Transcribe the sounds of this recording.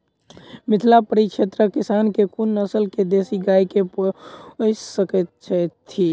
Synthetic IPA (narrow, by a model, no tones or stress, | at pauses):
mɪt̪ʰlapəɾikt͡ʃʰet̪ɾəkisankekunːəsəlked̪esiɡaikepə | səkət̪̚t͡ʃʰət̪ʰːi